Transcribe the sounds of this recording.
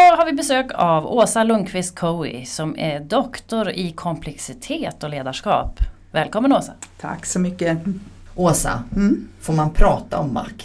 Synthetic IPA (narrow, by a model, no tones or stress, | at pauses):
ɔhaɾvɪbɛsøːkavoːsalɵŋkʰvɪst̪̚kʰɔɪ̰sɔmæɖɔkt̪ʊɾɪkʰɔmpʰlɛksɪt̪ʰeːt̪ɔleːd̪aʂkɑ̰ːp | vɛːlkʰɔmːənoːsat̪ʰa̰kːsɔmʏkːə | ʔoːsa̰foːɾmanpʰɾɑːt̪a̰ɔmːa̰kː